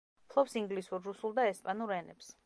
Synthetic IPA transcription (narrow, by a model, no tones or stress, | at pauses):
pʰlˠɔpsiŋɡlisuɾːusulˠd̪aɛspʼanuɾɛnɛ̰ps